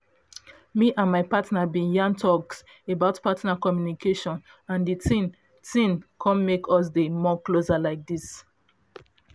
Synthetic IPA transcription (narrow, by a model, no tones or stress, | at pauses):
miʔãnmaɪpatnabĩjãntʰɔks | ebaʊtpatnakɔmjunikʰeʃɔ̃n | ãnditĩn | tĩnkʰɔ̃nmekʰɔs̬demɔklosalaɪk̚dis